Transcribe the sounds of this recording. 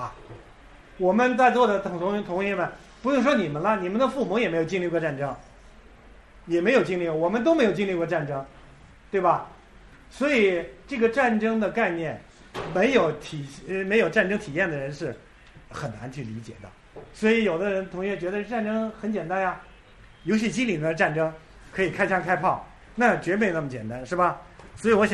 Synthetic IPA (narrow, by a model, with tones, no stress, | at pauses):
wɔ˨˩mə˦nt͡sa˥˧ɪt͡swɔ˥˩d̪ə˩t̪ʰt̪ʰʊ˧˥ŋjɛ˥˩mə˨˩n | pu˧˥jŋʂ̬wɔ˥ni˨˩mə˦nlə˧ni˨˩mə˦nd̪ə˧fu˥˩mɔ˧˥jɛ˨˩me˧˥ɪjt͡ɕi˥˧li˥˩kwɔ˥˧ʈ͡ʂa˥˩nʈ͡ʂɤ˥ŋ | jɛ˨˩me˧˥ɪjo˨˩ʊt͡ɕi˥˧ŋli˥˧kwɔ˥˩wɔ˨˩mə˦nt̪o˥ʊme˧˥ɪjo˨˩ʊt͡ɕi˥˧li˥˧kwɔ˥˧ʈ͡ʂa˥˩nʈ͡ʂɤ˥ŋ | t̪we˥˩ɪbɐ˩ | swɔ˧˥i˨˩ʈ͡ʂɤ˥˩ɡə˩ʈ͡ʂa˥˩nʈ͡ʂɤ˥ŋd̪ə˨ka˥˧ɪnjɛ˥˩n | me˧˥ɪjo˧˥ʊt̪ʰi˨˩me˧˥jo˨˩ʊʈ͡ʂa˥˩nʈ͡ʂɤ˥ŋt̪ʰi˨˩jɛ˥˩nd̪ə˩ɻə˧˥nʂɻ̩˥˩ | xə˨˩nna̰˧˥nt͡ɕʰy˥˩li˧˥t͡ɕjɛ̰˨˩d̪ə̰˦ | swɔ˧˥i˧˥jo˨˩ʊd̪ə˦ɻə˧˥nt̪ʰʊ˧˥ŋɥɛ˥˩t͡ɕɥɛ˧˥d̪ə˧ʈ͡ʂa˥˩nʈ͡ʂɤ˥ŋxə˧˥nt͡ɕjɛ˨˩nt̪a˥nja˧ | jo˧˥ʊɕ̬i˥˩t͡ɕi˥nli˨˩nə˦ʈ͡ʂa˥˩nʈ͡ʂɤ˥ŋ | kʰɤ˧˥i˨˩kʰa˥ɪt͡ɕʰjɑ˥ŋkʰa˥ɪpʰɑ˥˩ʊ | na˥˩t͡ɕɥɛ˧˥e˥˧˥na˥˩mə˩t͡ɕjɛ̰˨˩nt̪a˥nʂɻ̩˥˩bɐ˩swɔ˧˥i˨˧˩wɔ˧˥ɕ